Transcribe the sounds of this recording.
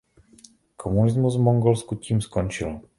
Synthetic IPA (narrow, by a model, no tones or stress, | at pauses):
kʰomunʲizmuzmɔŋɡɔlˠskʊt̪ʲʰimskɔnt͡ʃilˠ